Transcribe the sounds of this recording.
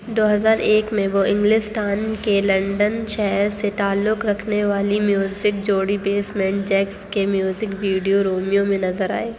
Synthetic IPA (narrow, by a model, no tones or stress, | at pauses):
d̪oːɦɐzaːɾeːkmẽʋoɪ̃ŋɡlɪsʈaːnkelɐ̃ɳɖənʃɛɦɦɾset̪aːlːʊkɾɐkʰneʋaːlimjuːzɪk̚d͡ʒoːɽibeːsmɛ̃ːɳʈ̚d͡ʒɛːkskemjuːzɪkʋiːɖijoɾoːmijõmẽnɐzəɾa̰ːeː